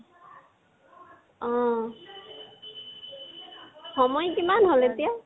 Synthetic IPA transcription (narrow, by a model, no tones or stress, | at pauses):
ɔ̃ | xɔmɔjkimanɦolet̪ija